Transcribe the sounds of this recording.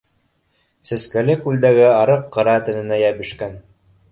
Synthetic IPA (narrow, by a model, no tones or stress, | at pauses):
sɘ̆skælɘkʉld̪æɡɘɑɾɤqːɤ̆ɾɑt̪ɘ̆nɘ̆næjæβɘ̆ʃkæn